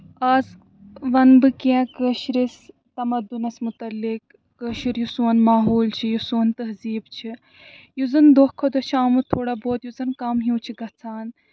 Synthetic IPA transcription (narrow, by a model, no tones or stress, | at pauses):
aːz | ʋɐnbɨkʲãkəːʃɾis | t̪ɐmɐd̪ːunɐsmut̪ɐlːik̚ː | əːʃiɾjusuɐnmaːɦoːlt͡ʃʰijusuːnt̪ɐɦziːbt͡ʃʰi | juzɐnd̪ohkʰːod̪ɐt͡ʃʰaːmut̪ʰoːɽaboːt̪juzɐnkɐmɦjũːt͡ʃʰiɡɐt͡sʰaːn